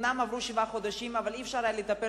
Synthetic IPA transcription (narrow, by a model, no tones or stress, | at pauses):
namavɾuʃivaχod̪aʃimavalifʃaɾajalit̪ape